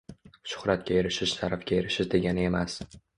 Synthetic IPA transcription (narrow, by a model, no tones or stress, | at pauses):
ʃʊ̥χɾat̪̚kʲajeɾɪʃɪʃsaɾafkʲajeɾɪʃɪʃd̪e̞ɡʲanɪe̞mas